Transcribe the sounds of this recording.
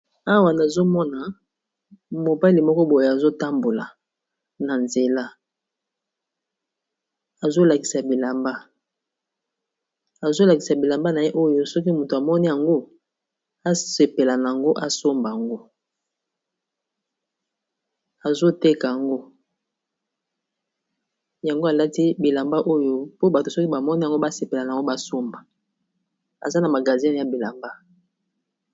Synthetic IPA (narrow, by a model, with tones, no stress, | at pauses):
a˦wa˨na˨zo˦mɔ˦na˨ | mo˨ba˦li˨mɔ˦kɔ˦bo˨ja˨zo˦ta˦mbo˨la˨ | na˨nze˨la˦ | a˨zo˦la˨ki̥˨sa˨bi˨la˨mba˦ | a˨zo˦la˨ki˨sa˨bi˨la˨mba˦na˨je˦ʔo˦jo˦sɔ˦ki˦mu˨to˨a˨mɔ˦ni˦ja˨ŋɡo˦ | a˦se˨pe˨la˨na˨a˨ŋɡo˦ʔa˨so˦mba˨ja˨ŋɡo˦ | a˨zo˦te˦ka˨ja˨ŋɡo˦ | ja˨ŋɡo˦a˨la˦ti˦bi˨la˨mba˦ʔo˦jo˦po˦ba˨to˨sɔ˦ki˦ba˨mɔ˦ni˦a˨ŋɡo˦ba˦se˨pe˨la˨na˨˦o˦ba˦so˦mba˨ | a̰˨za˦na˨ma˨ɡa˨zi˦n˨ja˨bi˨la˨mba˦